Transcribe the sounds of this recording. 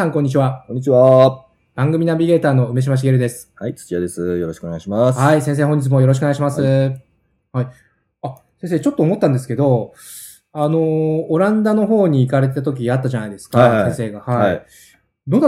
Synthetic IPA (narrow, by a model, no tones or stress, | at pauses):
ãŋkõ̞ɲ̟ːit͡ɕiβakõɲːit͡ɕiβa | b̥ãŋɡɯ̟mʲinabʲiɡe̞ːt̪aːno̞ɯ̟me̞ɕ̬imaɕ̬iɡe̞ɾɯ̟d̪e̞sɨ̥hait͡sɨ̥kʲiad̪e̞sɨjo̞ɾoɕi̥koneɡaɕimashaisẽs̬e̞ːhoɲ̟d͡ʑit͡s̬ɨmo̞jo̞ɾoɕ̬koeɡaɕimasɨ | hai | a | sẽs̬eːt͡ɕo̞t̪ːoːmo̞t̪ːãnd̪e̞sɨ̥ke̞d̪o̞ | ano̞ːɾãnd̪ano̞ɦo̞ːɲ̟iːkaɾe̞t̪et̪at̪o̞k̬ʲiat̪ːaʑanaid̪e̞sɨ̥kasẽse̞ːɡahaaii | d̪o̞na